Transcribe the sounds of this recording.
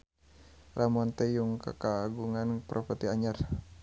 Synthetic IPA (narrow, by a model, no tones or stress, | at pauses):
ramant̪ɛjuŋka̰kaːɡuŋanpɾʔɔfət̪iaɲar